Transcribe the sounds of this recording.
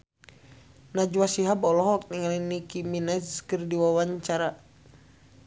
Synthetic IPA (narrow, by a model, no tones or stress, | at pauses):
nad͡ʒuwasiɦabɔlɔɦak̚niŋalinikiminad͡ʒkɨrdiwawaɲt͡ʃaɾa